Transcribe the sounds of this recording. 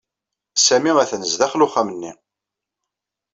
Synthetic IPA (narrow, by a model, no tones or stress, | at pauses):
sæmiʁæθnəzðæχlʊχæmənːi